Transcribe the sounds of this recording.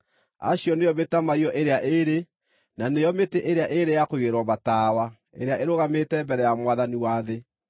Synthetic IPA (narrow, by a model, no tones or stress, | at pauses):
a̰ɕjɔnejɔbetamaiɔʔeɾeaʔeɾe | nanejɔmeteʔeɾeaʔeɾejakoɣeɾɔbataːwa | ḛɾeaʔeɾoɣametɛmbɛɾɛjamwaðaniwaðe